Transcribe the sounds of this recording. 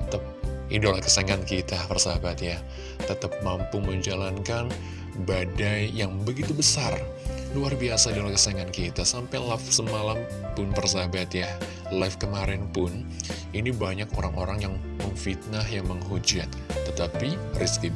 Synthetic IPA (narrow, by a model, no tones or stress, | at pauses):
ət̪əp̚idolakəsaŋankit̪apərsabat̪ja | t̪ət̪əp̚mampuməɲd͡ʒalankan | badajːaŋbəɡit̪ubəsar | luarbiasaidolakəsaŋankit̪asampajlafsəmalam | pʊnpərsabat̪ja | lafkəmaɾɪnpʊn | inibaɲakoɾaŋoɾaŋjaŋməŋfit̪̚nahjaŋməŋɦud͡ʒat̪̚ːət̪apiriski